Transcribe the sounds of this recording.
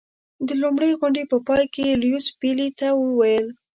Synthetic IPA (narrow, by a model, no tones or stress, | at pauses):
d̪əlumɽəjɣʊɳɖepəpɑjkeljuspilit̪awəwajəl